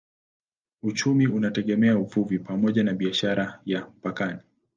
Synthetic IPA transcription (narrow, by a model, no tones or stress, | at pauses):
ut͡ʃumiunatɛɠɛmɛauvuvipamɔʄanaɓiaʃaɾajam̩pakani